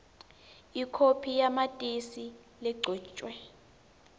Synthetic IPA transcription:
ikʰopʰijamatʼisi | lɛɡ͡ǀʱɔːt͡ʃʼwɛ

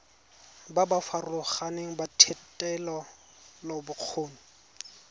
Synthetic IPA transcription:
babafarʊlʊχaneŋ̩batʰɛtʼɛlɔ | lobʊq͡χʰoːni

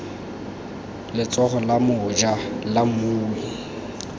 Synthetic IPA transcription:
lɪt͡sʼɔχɔlamʊd͡ʒalamʊːwi

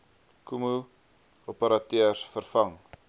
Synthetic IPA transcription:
kumu | opəɾɐtøərsfərfɐŋ

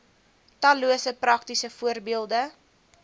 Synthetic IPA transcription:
tɐluəsəprɐk̚tisəfuərbiəlˠdə

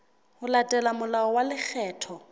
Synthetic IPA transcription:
hʊlatʼɛlamʊlaɔwalɪk͡xʰɛːtʰɔ

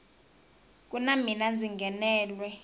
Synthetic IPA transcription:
k̬ʼunaminand͡zʱiŋɡʱɛnɛːlwɛ

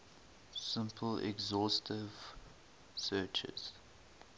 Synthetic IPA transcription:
sɪ̃mpʰəlɛ̰ɡzɔstʰɪv̥ | sɜːt͡ʃɪ̰z̥

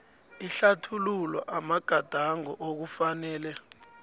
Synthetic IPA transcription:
iɬatʰululɔ̰ʔamaɡ̥ʱad̥ʱaŋɔ̰ʔok̬ufanɛːlɛ

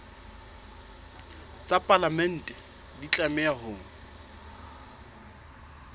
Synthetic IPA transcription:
t͡sʼapʼalamɛn̩ːtʼɛ | dit͡ɬʼamɛahʊːŋ̩

